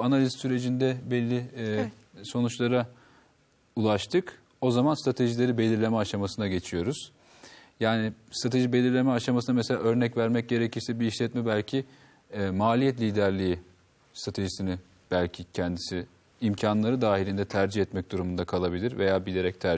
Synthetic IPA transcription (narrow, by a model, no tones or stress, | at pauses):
analʲizsyɾe̞d͡ʒind̪ɛbɛlʲːi | so̞nut͡ʃlˠaɾa | ulˠaʃt̪ʰɯk | o̞zamanst̪ɾat̪ʰe̞ʒilʲe̞ɾibe̞lʲiɾlʲe̞mɛaʃamasɯnaɟe̞t͡ʃʰijo̞ɾuz̥ | jaːnɪst̪ɾat̪ʰe̞ʒibe̞lʲiɾlʲe̞mɛaʃamasɯnamɛselʲa̰ːø̞ɾnɛcvæɾmɛc̚ɟe̞ɾecʰiɾsɛbiːʃlʲɛt̪mɛbælʲcʰi | maːlʲijɛt̪lʲiːd̪æɾlʲiji | st̪ʰɾat̪ʰe̞ʒisinɪ | b̥ælʲcʰicʰɛnd̪isɪː | mcʰanlˠaɾɯd̪aːɦilʲind̪ɛt̪ʰæɾd͡ʒihɛt̪mɛc̚d̪uɾumund̪akʰalˠabilʲiɾve̞jaːbilʲe̞ɾɛc̚t̪ʰæɾ